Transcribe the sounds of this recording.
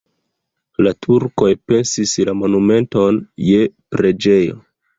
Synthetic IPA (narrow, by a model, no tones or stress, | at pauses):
latʰuɾko̞jpe̞nsislamo̞nume̞nto̞nje̞pɾe̞d͡ʒe̞jo̞̰